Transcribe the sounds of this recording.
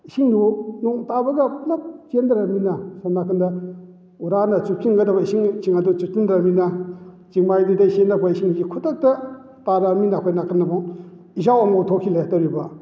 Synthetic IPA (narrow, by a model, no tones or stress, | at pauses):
isiŋdunuŋtabɐɡɐplap̚t͡ʃendaɾaminasamnakɯnda | uɾanat͡ʃukʰiŋɡadabaisiŋt͡ʃiŋadot͡ʃutundɾamina | t͡ʃiŋmajdidajsenakʰaisiŋd͡ʒikʰutak̚ta | taɾaminakʰojnakɯnabɔŋ | izawamot̪ʰokʰiletaɾiba